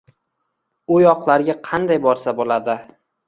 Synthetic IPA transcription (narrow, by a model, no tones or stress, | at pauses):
ʊjɒqlˠaɾɡʲaqʰɑnd̪ajbɒɾsabolad̪ɪ